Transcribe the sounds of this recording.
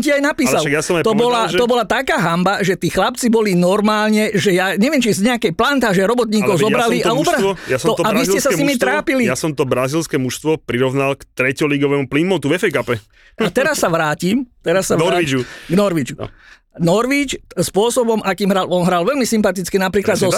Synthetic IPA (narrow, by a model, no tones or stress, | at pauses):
ɔmciajnapiːsalaɡjasɔmat̪ɔbɔlaɔbɔlat̪akaːɦambaʒɛt̪iːxlap̚t͡sibɔlinɔɾmaːlɲɛʒɛjaɲɛʋɪɛmt͡ʃizɲɛakɛjplant̪aːʒɛɾɔbɔt̪ɲiːkɔʊzɔbɾaliʔaubɾaɔjast̪ɔaʋisɛsasɲimit̪ɾaːpilijasɔmt̪ɔbɾazilskɛmuʃst̪ʋɔpɾiɾɔʋnalkt̪ɾɛcɔliɡɔʋɛːmuplimɔt̪uʋɛfɛjkapɛ | ʔat̪ɛɾasːaʋɾaːcimt̪ɛɾasːaʋɔaiuɡnɔɾʋit͡ʃṵ | nɔɾʋit͡ʃspʊɔsɔbɔmʔakiːmɦɾalɔnɦɾalʋɛlmisimpat̪it͡skinapɾiːklad̪zɔ